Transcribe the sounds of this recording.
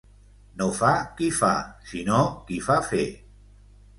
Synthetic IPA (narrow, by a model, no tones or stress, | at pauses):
nofakifa̰sinokifafe